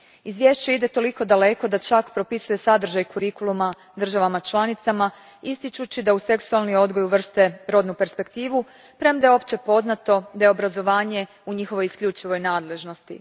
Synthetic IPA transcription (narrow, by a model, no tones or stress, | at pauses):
izʋje̞ʃt͡ɕeid̪e̞t̪o̞liko̞d̪ale̞ko̞d̪at͡ʃakpɾo̞pisuje̞sad̪r̩ʒajkuɾikulˠuma | d̪r̩ʒaʋamat͡ʃlˠanit̪sama | ist̪it͡ʃut͡ɕid̪ause̞ksualˠnio̞d̪ɡo̞juʋr̩st̪e̞ɾo̞d̪nupe̞ɾspe̞kt̪iːʋu | pɾe̞md̪ao̞pt͡ɕe̞po̞znat̪o̞d̪ajeo̞bɾazo̞ʋaːɲe̞ | uɲixo̞ʋo̞jiskʎut͡ʃiʋo̞jnaːd̪le̞ʒno̞st̪ḭ